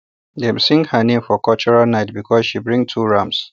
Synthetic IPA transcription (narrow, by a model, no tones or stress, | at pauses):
dɛmsɪ̃ŋɡhənẽmfɔkʰɔlt͡ʃɔɹalnaɪt̚bikʰɔzʃibɹɪ̃ŋtʰuːɹãms